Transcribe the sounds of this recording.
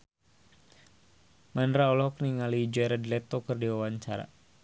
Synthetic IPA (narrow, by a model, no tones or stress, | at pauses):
mandɾaɔlɔhɔkniŋalid͡ʒɛɾɛdlɛt̪okɨrdiwawaɲt͡ʃaɾa̰